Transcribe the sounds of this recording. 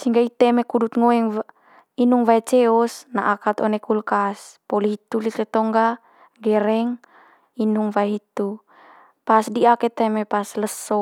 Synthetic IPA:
siŋɡait̪ɛmekudut̪̚ŋoɛŋ | inuŋvaɛt͡ʃɛɔsna̰ʔakat̪ɔ̰nɛkulkaspɔliɦit̪ulit̪ɛt̪ɔŋɡa | ɡɛɾɛŋ | inuŋvaɛɦit̪u | pasdiaket̪ɛmepasləsɔ

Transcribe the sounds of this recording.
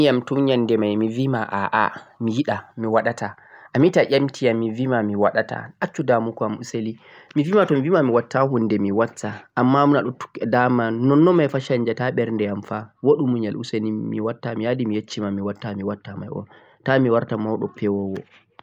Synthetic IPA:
mijamtuɲandɛmajmivimaʔaʔa̰mijiɗamiwaɗata | ʔamitaʔʲamtʰijamːivimamiwaɗata̰ʔat͡ʃːudamukɔamuseli | mivimatɔmivimamiwatːaɦundɛmiwatʰːaʔamːamunaɗɔtu̥kːɛdamanɔnːɔmajfaʃaɲd͡ʒataɓɛɾndɛjamfawoɗumuɲalʔṵselimḭwatːamijadimijet͡ʃːimamiwatːamiwatːama̰jʔɔ̰ | tamiwaɾtamawɗɔ̰pʰɛwɔwɔ̰

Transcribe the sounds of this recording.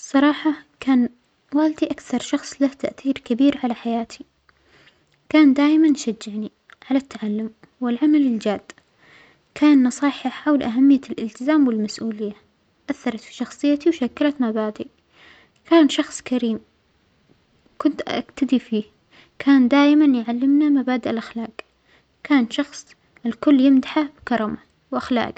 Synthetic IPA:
sˤɑɾˤɑːħɑkaːn | waːld̪iʔakθɑɾˤʃɑxsˤlaht̪aʔθiːɾkabiːɾʕalaħajaːt̪ʰi | kaːnd̪aːʔɪmanʃad͡ʒːɪʕni | ʕalat̪ːaʕalːʊm | wɪlʕamalɪld͡ʒaːd̪̥ | kʰaːnːɑsˤɑːħaħawlʔaɦamːɪjːalʔɪlt̪ɪzaːmwɪlmasʔuːlɪjːa | ʔaθːɑɾˤɑt̪fi̥ʃɑxsˤɨjːat̪iwʃakːalat̪mabaːd̪i | kaːnʃɑxsˤkʰaɾiːm | kʊnt̪ʔa̰ɡt̪ad̪ifiː | kʰaːnd̪aːʔɪmanjʕalːɪmnamabaːd̪aʔɪlʔaxlaːq | kʰaːnʃɑxsˤ | ɪlkʊlːjɪmd̪aħabɪkɑɾˤɑma | wʔaxla̰ːʔɡ

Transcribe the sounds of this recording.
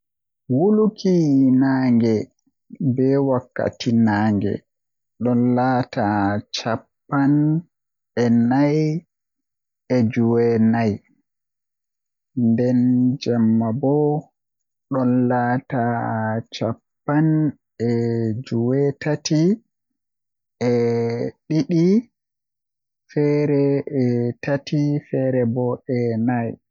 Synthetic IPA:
wulukʰinaːŋɡɛ | bɛwakːa̰tinaːŋɡɛ̰ | ɗɔnlaːtat͡ʃapːan | ɛnaj | ɛd͡ʒuwɛnaj | ndɛnd͡ʒamːabɔ | ɗɔnlatat͡ʃapːan | ɛd͡ʒuwɛtati | ɛɗiɗi | fɛɾɛɛtatʰifɛɾɛbɔɛnaj

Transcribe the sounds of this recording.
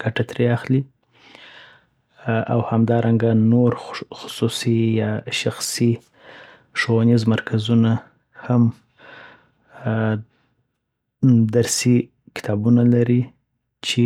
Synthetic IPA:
ɡ̥aʈat̪ɾeaxli | awhamd̪ɑɾʔaŋɡanoɾxʊ̥susijɑʃaxsi | ʂoanizmaɾkʰazuna | ham | d̪aɾsi | kɪ̥t̪ʰɑbunalaɾi | t͡ʃe

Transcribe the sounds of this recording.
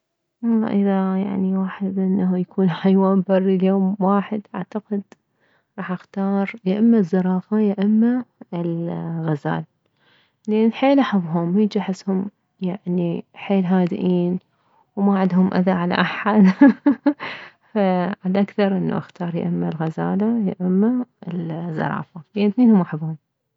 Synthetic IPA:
wɑlˤːɑ̰ːʔɪðaja̰ʕniwaːħɪd̪ʔɪnːaujakʰuːnħajwaːmbɑrːiljoːmwaːħɪd̪ʔaʕt̪aqɪd̪ | ɾˤɑːħʔaxt̪ɑːɾˤjaʔɪmːazːɑɾˤɑːfajaʔɪmːaɪlɣaza̰ːl | lʔanːlħeːlʔaħabɦʊmhid͡ʒaħɪshʊm | jaʕniħeːlɦaːd̪ʔiːn | wmaʕɪd̪hʊmʔa̰ðaʕala̰ʔaħad̪ | faʕalaʔakθɑɾˤʔɪnːa̰ʔaxt̪ɑːɾˤja̰ʔɪmːalɣazaːlajɪʔɪmːaɪlzːɑ̰ɾˤɑ̰ːfainθneːnhʊmʔaħabuːn

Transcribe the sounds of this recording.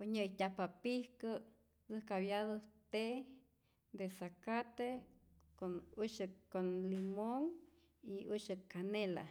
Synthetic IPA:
oɲəjtʲapapihkə | t͡sɨhkaβjaðot̪e | d̪esakat̪ekonuʃɨkonlimoŋ | iuʃɨkanela̰

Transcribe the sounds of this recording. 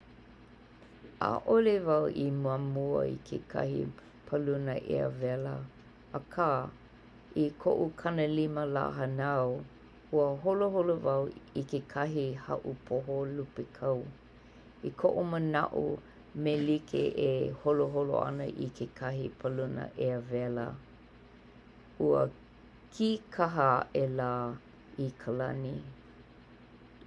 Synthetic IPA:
ʔa̰ʔolevɐwʔimuamuɐ̰ḭkʰḛkʰɐ̰hḭ | pʰəlunəʔḛə̰vɛlə | akʰaː | ikʰo̰ʔukʰɐnəliməla̰ːɦənaw | huəɦoloɦolovɐwikekʰɐɦihɐʔupʰoɦolupekʰɐw | ikʰoʔuməna̰ʔṵ | melikʰḛʔeholoɦolo̰a̰nə̰ʔḭkʰekʰɐɦipʰəlunə̰ʔeəvɛlə̰ | uə̰ | kʰikʰaɦəʔelaː | ikʰəlɐni

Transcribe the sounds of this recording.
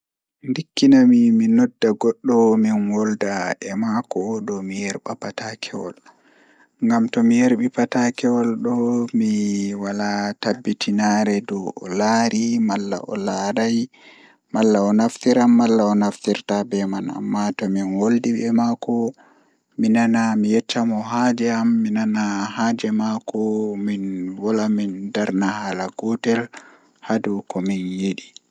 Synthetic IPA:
ndikːinamiminɔdːaɡɔɗːɔminwɔldaʔɛmakɔdɔmijɛɾɓapatakʰɛwɔ̰l | ŋɡamtɔmijeɾɓipatakɛwɔlɗɔmiwalatabːitʰinaɾɛdɔɔlaːɾʔimalːa̰ʔɔ̰laɾaj | malːaɔnaftiɾamːalːaɔnaftiɾtabɛmana̰mːatɔminwoldiɓɛmakɔ | minanamijɛtːamɔɦad͡ʒɛamːinanaɦad͡ʒɛmakɔminwɔlamindaɾnahalaɡɔtɛl | hadukɔminjiɗi

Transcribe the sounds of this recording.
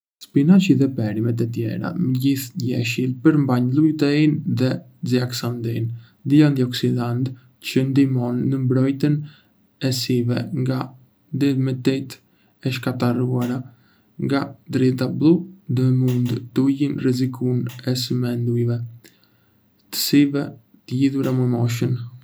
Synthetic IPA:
spinaʃiðɛpɛɾimɛt̪̬ət̪jɛ̰ɾa̰məɟiθɟɛ̰ʃilpəɾmbaɲlˠujt̪ɛinðɛ | d͡ziaksand̪in | d̪iand̪iɔksid̪ant̪ | t͡ɕənd̪imɔnːəmbɾɔjt̪ən | ɛsivɛŋɡa | d̪ɛðmɛt̪ɛt̪ | ɛʃkat̪aɾuaɾa | ŋɡad̪ɾɛt̪̬ablˠud̪əmund̪t̪ujinrɛzikʰunɛsəmɛnd̪ujvɛ | t̪ə̥sivɛ | t̪əjiðuɾaməmɔʃ̬ən

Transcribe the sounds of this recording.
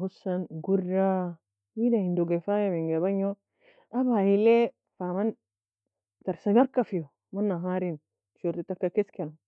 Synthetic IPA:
ɦusanɡurːa | widahindoɡafajamiŋɡaβaɲo | abahile | faman | taɾsaɲaɾkːafijo | manːaɦaɾim | t͡ʃoɾtitakːakesken

